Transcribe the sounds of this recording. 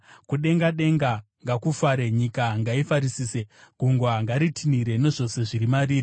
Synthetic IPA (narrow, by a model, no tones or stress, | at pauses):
kuɗe̞ŋɡaɗe̞ŋɡa | ŋɡakufaɾe̞ɲikaŋɡaifaɾisiːse̞ɡ̥ʱuŋɡwaŋɡaɾitʰiniɾe̞ne̞ʐo̞se̞ʐiɾimaɾiːɾi